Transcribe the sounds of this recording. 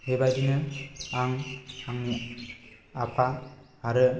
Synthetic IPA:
hebad͡ʒinɯaŋaŋ | apʰahaɾɯ

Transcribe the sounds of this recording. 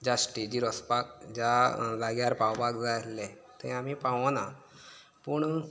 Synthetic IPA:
d͡ʑasʈed͡ʑiːɾɔspakd͡ʑalaɡjaɾpawbaɡd͡zatlɛ | t̪ɛ̃amipãʋna | pəɳ

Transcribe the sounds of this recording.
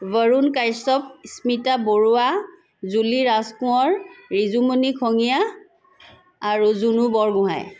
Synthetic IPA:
vəɹunkajsɔp̚smitaboɹua | zuliɹaskʊ̃ɔɹɹizumunikʰɔŋija | ɹuzunubɔɹɡʊɦa̰j

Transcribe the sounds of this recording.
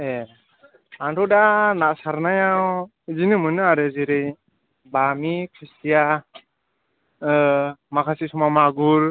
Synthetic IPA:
e | antʰɔwdanaʔsaɾnajaw | zinɯmɯnɯaɾɯzɯɾɯj | bamikʰɯsija | makʰasisumamaɡuɾ

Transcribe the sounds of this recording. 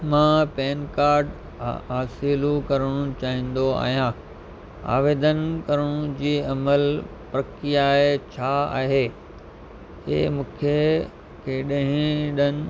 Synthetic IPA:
mãːpeːnkaːɾɖ | ɦaːsilukɐɾəɽ̃ʊ̃t͡ɕaːɦĩːn̆d̪oa̰ːɦijãː | a̰ːʋeːd̪ənkɐɾəɽ̃ʊ̃d͡ʑiːɐməl | pɾɐkijaet͡ɕʰaa̰ːɦeː | ɦḛːmũːkʰe | keːɗə̃ɦɪ̃ɗənɪ̆

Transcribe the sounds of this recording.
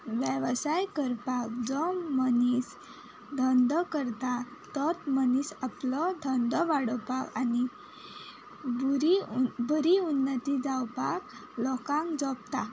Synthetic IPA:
ʋjəʋsajkəɾpakd͡zɔmənis | d̪ʱənd̪kəɾt̪a | t̪ɔt̪mənisaplɔd̪ʱənd̪ɔʋaɽɔpakani | buɾibəɾiunːət̪id͡zawpaklɔkãŋkd͡zɔpt̪a

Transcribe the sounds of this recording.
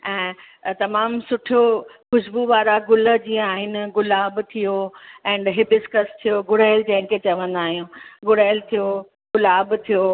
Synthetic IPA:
ɛ̃ː | t̪ɐmaːmsʊʈʰijoxʊʃbuʋaːɾaɡʊlə̆d͡ʑiːə̃aːɦɪnɪ̆ɡʊlaːbt̪ʰijoɛ̃ːɳɖɦɪbɪskəst̪ʰijoɡʊɽaːɪld͡ʑɐ̃ɦɪ̃kʰet͡ɕɐʋə̃nd̪aːɦijũːɡʊɽaːɪlt̪ʰijo | ɡʊlaːbt̪ʰijo

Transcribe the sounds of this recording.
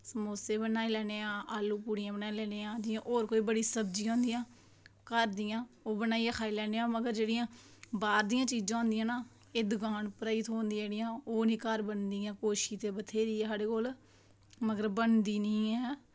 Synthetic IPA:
səmoːseːbənaːilɛːneːãːʔaːlːuːpuːɽijãːbənaːilɛːneːãːd͡ʒɪãːʔoːɾkoːiːbəɽiːsəbd͡ʒiːõːnd̪ijãː | kəɾd̪ɪjãːoːbənaːiːãːkʰaːiːlɛːneːãːməɡəɾd͡ʒeːɽɪjãːbaːɾd̪ijãːt͡ʃiːd͡ʒãːõʊ̃ːnd̪ɪjãːnaː | ed̪ʊɡaːɳpəɾaːit̪ɦõːnd̪iːɽɪjãːoːnĩːkəɾbənd̪iːãːkoːʃiːt̪eːbət̪ʰeːɾiːɛsaːɽeːkoːl | məɡəɾbənd̪iːnĩːɛː

